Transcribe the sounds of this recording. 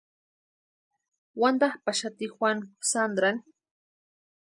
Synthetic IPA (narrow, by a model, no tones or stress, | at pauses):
wand̪ahpaʃat̪ixwansand̪ɾaŋ